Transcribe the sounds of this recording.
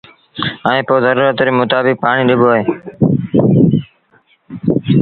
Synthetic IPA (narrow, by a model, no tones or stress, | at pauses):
əẽːpoːzəɾuːɾət̪ɾiːmʊt̪aːbɪk̚paːɳ̃iːɗɪboːɦeː